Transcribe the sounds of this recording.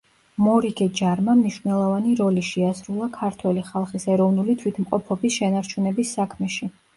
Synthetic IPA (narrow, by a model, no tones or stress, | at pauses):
mɔɾiɡɛd͡ʒaɾmamniʃvnɛlˠɔvaniɾɔliʃiasɾulˠakʰaɾt̪ʰwɛliχalˠχisɛɾɔvnulit̪ʰwit̪ʰmqʼɔpʰɔbisʃɛnaɾt͡ʃʰunɛbisːakʰmɛʃi